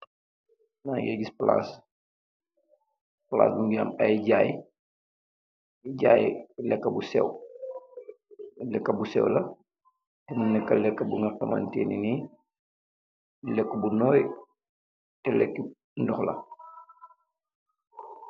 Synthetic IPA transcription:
najeɟispla̰s | pla̰ːsbuŋɡaːmajɟaːj | iɟaːjlɛkːɐbusɛ̰w | lɛkːɐbusɛ̰wlɐ | tɛmunːɛkːɐlɛkːɐbuŋɡakama̰ntḛːnini | lɛkːubunɔːj | tɛlɛkːi | ndɔxlɐ̰

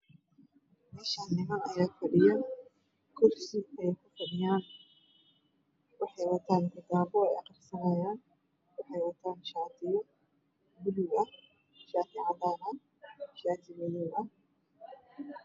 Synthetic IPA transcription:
mɛːʃanɪmɐɐjaːfɐɽɪja | kʰʊrsɪɛjkʰʊfɐdɪjaːn | wɑħɑjwɐt̪ʰaːnd̪ɐd̪aːbɔɛ̰jqɑrsɐnajaːn | wɑħɑjwɐt̪ʰaːnʃaːt̪ʰɪjɐ | bʊluɐ | ʃaːfɪʕɑdaːnɐ | ʃaːt̪ʰɪmɐjuɐ

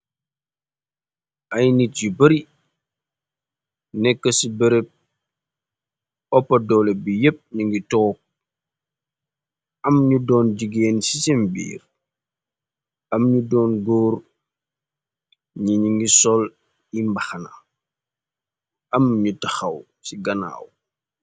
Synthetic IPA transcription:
ʔɐjnit̚ɟibɐɾi | nɛkːəsibəɾep̚ | ɔpːɐdɔːlɛbijep̚ɲuŋɡitɔːk̚ | ɐmɲudɔːnd͡ʒiɡeːnsisimbḭːr | ɐmɲudɔːnɡɔːr | ɲiɲiŋɡisɔl | imbɐxɐna̰ | ɐmɲutɐxɐw | siɡɐna̰ːw

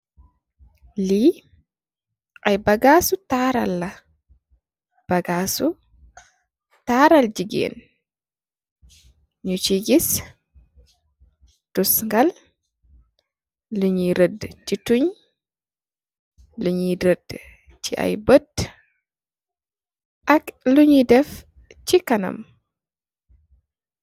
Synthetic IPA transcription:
li | ʔajbaɡaːsutaːɾalːa | b̥aɡaːsu | taɾald͡ʒiɡɛ̰ːn | ɲut͡ʃiɡis | tusŋɡal | luɲiɾədtituɲ | luɲiɾəd | t͡ʃiʔa̰jbət | ʔɐkluɲidɛf | t͡ʃikɐnɐ̰m

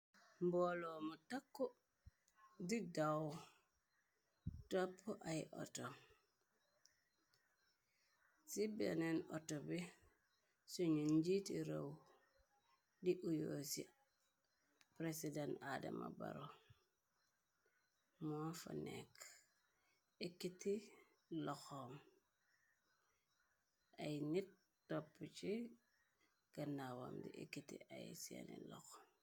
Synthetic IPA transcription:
mbolomutakːo | didaw | topːoʔajiʔo̰tom | sibḛneno̰tobi | suɲunɟitiɾow | diʔujosḭ | pɾesidanadɐma̰ba̰ɾo | mɔːfɐ̰nɛk | ikːiti | lɔxom | ʔɐjnit̚ | tːɔpːət͡ʃi | ɡ̥ɐnawa̰mdḭʔikːitḭajsɛ̰nḭlɔ̰xom

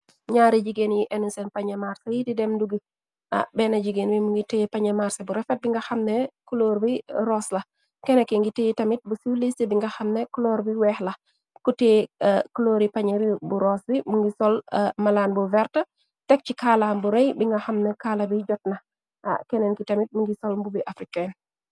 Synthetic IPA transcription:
ɲaːɾid͡ʒiɡenjiʔɛnunsɛnpaɲɐmaːɾsɐjididɛmduɡi | ʔa̰bɛnɐɟiɡenbimuŋɡitɛpaɲɐmaːɾsɐbuɾɛfɛt̚biŋɡɐxɐmnɛkuloɾbiɾɔslɐ | kɛnɛkɛŋɡitejtɐmit̚busulistibiŋɡɐxɐmnɛklɔːɾbiwɛxlɐ | kutɛkuloːɾipaɲɐɾibuɾɔːsbimuŋɡisɔlmɐlaːnbuvɛɾtə | tɛk̚cikalambuɾɛjbiŋɡɐxɐmnɛkaːlɐbiɟɔt̚nɐ | a̰kɛnɛnkitɐmit̚muŋɡisɔlmbubiʔafɾikɛn

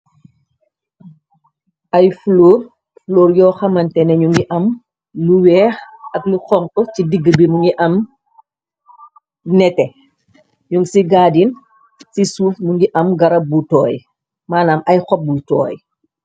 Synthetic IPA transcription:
ʔɐjfloːr | floːɾjɔːxɐmɐntɛnɛɲuŋɡiʔɐm | luwɛːxɐkluxɔŋkɔcidiɡːəbimuŋɡiʔɐm | nɛtɛ | ɲuŋɡsiɡaːdin | sisuːfmuŋɡiʔɐmɡɐɾɐbutɔːj | maːnaːmɐjxɔp̚butɔ̰ːj

